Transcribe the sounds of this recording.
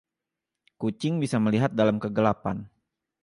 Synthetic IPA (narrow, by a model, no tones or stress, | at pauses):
kut͡ʃɪŋbisaməliɦat̪̚dalamkəɡəlapa̰n